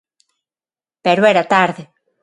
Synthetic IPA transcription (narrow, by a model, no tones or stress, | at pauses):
peɾweɾat̪aɾðe